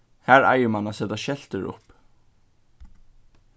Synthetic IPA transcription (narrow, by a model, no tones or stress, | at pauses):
hæɾa̰jɪmanasɛt̪aʃɛl̥t̪əɾʊ̰p